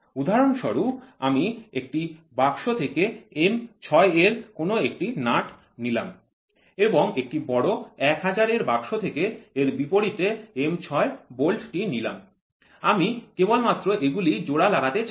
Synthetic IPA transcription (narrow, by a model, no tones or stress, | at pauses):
ud̪ʱaɾonʃɔɾuamiek̚ʈibaɡʃot̪ʰekeemt͡ɕʰɔeeɾkonoek̚ʈinaʈ | nilam | eboŋek̚ʈibɔɽoɛkɦad͡ʑaɾeɾbakʃot̪ʰekeeɾbipoɽit̪eemt͡ɕʰɔebolʈʈinilam | amikebolmat̪ːɾoʔeɡulid͡ʑoɽalaɡat̪et͡ɕ